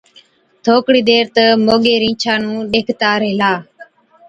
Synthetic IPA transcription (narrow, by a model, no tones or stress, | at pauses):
t̪ʰoːkɽiːd̪eːɾt̪əmoːɠeːɾĩːt͡ʃʰaːnũːɗeːkʰt̪aːɾəɦlaː